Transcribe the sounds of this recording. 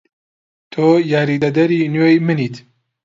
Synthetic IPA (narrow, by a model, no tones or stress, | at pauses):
t̪ʰoːjaːɾiːd̪ɐd̪ɐɾiːnjojmɨniːt̪